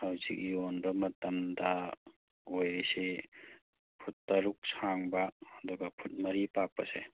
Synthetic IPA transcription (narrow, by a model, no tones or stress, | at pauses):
hawzik̚jonbɐmɐtɐmdɐ | ojɾise | pʰut̚pɐɾuk̚saŋbɐːduɡɐpʰut̚mɐɾipak̚pːɐse